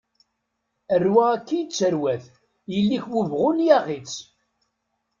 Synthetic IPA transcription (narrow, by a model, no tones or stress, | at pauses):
ərːwæækːijt͡sːəɾwæθ | jəlːiçwəvʁʊnjaʁit͡s